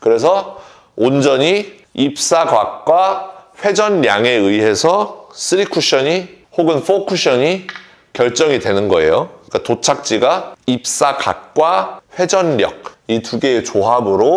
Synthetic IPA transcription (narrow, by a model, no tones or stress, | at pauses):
kɯɾe̞s̬ʰʌ | ond͡ʑʌɲi | ip̚s͈aɡwak̚k͈waɸwe̞d͡ʑʌnɾjaŋe̞ɯiɦe̞sʰʌs͈ʰɯɾikʰuɕʰʌɲi | hoɡɯnfokʰuɕʰʌɲi | kjʌɭt͡ɕ͈ʌŋidwe̞nɯnɡʌe̞jok͈atot͡ɕʰak̚t͡ɕ͈iɡaip̚s͈aka̰k̚k͈waɸwe̞d͡ʑʌnɾjʌ̰k̚ituɡe̞ːt͡ɕoɦabɯɾo